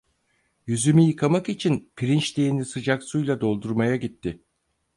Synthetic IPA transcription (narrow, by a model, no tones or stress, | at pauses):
jyzymyjɯkʰamakit͡ʃʰinpʰiɾint͡ʃd̪einisɯd͡ʒaksujlˠad̪o̞lˠd̪uɾmajaɟit̪ʰːɪ